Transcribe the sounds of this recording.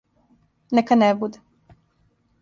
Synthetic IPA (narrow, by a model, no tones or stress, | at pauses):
nɛkanɛbud̪e